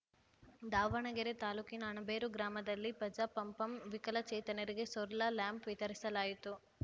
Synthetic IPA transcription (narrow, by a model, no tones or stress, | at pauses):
d̪aːʋɐɳɐɡeɾet̪aːluːkinɐːɳɐbeːɾuɡɾaːmɐd̪ɐlːipɐd͡ʒɐpɐmpɐmʋikɐlɐt͡ʃɛːt̪ɐnɐɾiɡe̞sɔɾlaljaːmpʋit̪ɐɾisɐlaːjit̪u